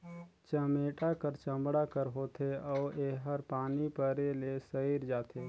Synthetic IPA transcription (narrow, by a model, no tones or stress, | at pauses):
t͡ʃəmeːʈakəɾt͡ʃə̃mbɽakəɾɦoːt̪ʰeɔːeːɦəɾpaːnipəɾelesəiɾd͡ʒaːt̪ʰeː